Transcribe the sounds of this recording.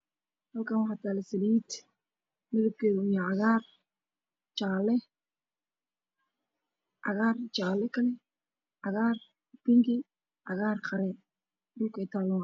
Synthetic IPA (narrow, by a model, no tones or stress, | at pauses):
hɐlkʰaːnwɑħɑt̪ʰaːlɛsɐliːt̪ | nɐðɐb̚kʰɛːðʊʊjaʕɑɣaːr | t͡ʃaːlɛ | ʕɑɣaːrt͡ʃaːlɛkʰɐlɛ | ʕɑɣaːr | pɪŋkɪ | ʕɑɣaːrqɑɾɛ | dʊlkɛːt̪ʰaːlʊŋ